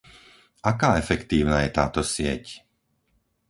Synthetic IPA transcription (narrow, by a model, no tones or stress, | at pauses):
akaːɛfɛkt̪iːʊnaːjɛt̪aːt̪ɔsɪɛ̰c